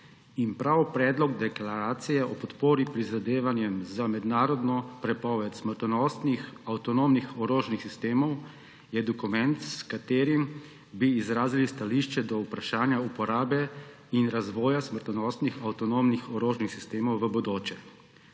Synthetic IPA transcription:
inpɾawpɾɛːd̪lɔɡd̪ɛklaɾaːt̪sijɛʔɔpɔt̪poːɾipɾizad̪eːʋanjɛmzamɛd̪naːɾɔd̪nɔpɾɛpɔːʋɛt̪sməɾt̪ɔnɔst̪nixawt̪ɔnoːmnixɔɾoːʒnixsist̪eːmɔw | jɛd̪ɔkumɛnt̪skat̪eːɾim | biːzɾaːzilist̪aliʃt͡ʃɛd̪ɔupɾaʃaːnjaupɔɾaːbɛ | inɾazʋɔːjasməɾt̪ɔnɔːst̪nixawt̪ɔnomnixɔɾoːʒnixsist̪eːmɔwʋəbɔd̪oːt͡ʃɛ

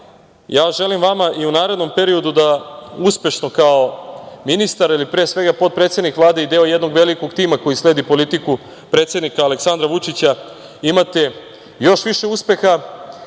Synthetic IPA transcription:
jaːʒe̞limʋamaʔiunaːɾe̞d̪no̞mpe̞ɾio̞d̪ud̪auspe̞ʃno̞kaominist̪aɾilipɾeːsʋe̞ɡapo̞t̪̚pɾet̪sjed̪nikʋlˠaːd̪e̞id̪eːo̞je̞d̪no̞ɡʋe̞liko̞ɡt̪iːmako̞jisle̞ːd̪ipo̞lit̪iku | pɾe̞ːt̪se̞d̪nikaːle̞ksand̪ɾaʋut͡ʂit͡ɕa | imat̪e̞ | joʃʋiʃe̞uspe̞xa

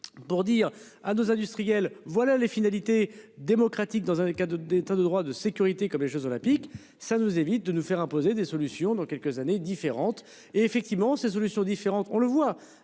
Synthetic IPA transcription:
puʁd̪iːʁ | anozɛ̃d̪yst̪χijɛlvwalalefinalit̪ed̪emɔkχat̪ik̚d̪ɑ̃zɛ̃kad̪et̪ad̪əd̪ʁwad̪əsekʲyʁit̪ekɔmleʒozolɛ̃pik | sanuzevit̪̚d̪ənufɛʁɛ̃pozed̪esɔlysjɔ̃d̪ɑ̃kʲɛlkəzaned̪ifeʁɑ̃t̪ | eːfɛk̚t̪ivmɑ̃ses̬ɔlysjɔ̃d̪ifeʁɑ̃t̪ɔ̃ləvwa

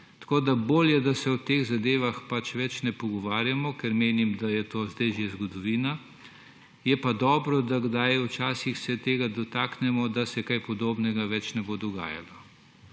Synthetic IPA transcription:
t̪ḁkoːd̪aboːljɛd̪asɛwt̪eːɣzad̪eːʋaxpat͡ʃʋɛt͡ʃnɛpɔɡɔʋaːɾjamɔkɛɾmeːnimd̪ajɛt̪oːzd̪ɛjʒezɡɔd̪ɔʋiːna | jɛpad̪ɔːbɾɔd̪aɡd̪ajwt͡ʃaːsixsɛt̪eːɡad̪ɔt̪aːknɛmɔd̪asɛkajpɔd̪oːbnɛɡaʋɛt͡ʃnɛbod̪ɔɡa̰ːja̰lɔ

